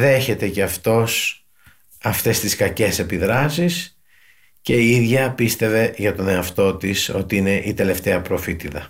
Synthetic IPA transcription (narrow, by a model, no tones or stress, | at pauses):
ðe̞çe̞t̪e̞ceɐft̪o̞s | ɐft̪e̞st̪iskɐce̞se̞piðɾɐsis | ce̞iiðʝɐpist̪e̞ve̞ʝɐt̪o̞ne̞ɐft̪o̞t̪iso̞t̪iine̞ʔit̪e̞le̞ft̪e̞ɐpɾo̞fit̪itɐ